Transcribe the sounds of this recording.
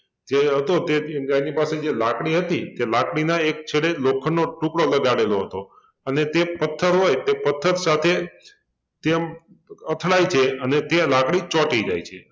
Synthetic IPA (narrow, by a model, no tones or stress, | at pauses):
d͡ʒeɦət̪ot̪eenipased͡ʒelakɽ̃iɦət̪it̪elakɽinaek̚t͡ʃʰeɭelokʰənːoʈũkɽoləɡaɽeloɦət̪o | ənet̪epət̪ʰːəɾɦojt̪epət̪ʰːəɾsat̪ʰe | t̪em | ət̪ʰɭajt͡ʃʰeənet̪elakɽit͡ʃɔʈid͡ʒa̰jt͡ʃʰḛ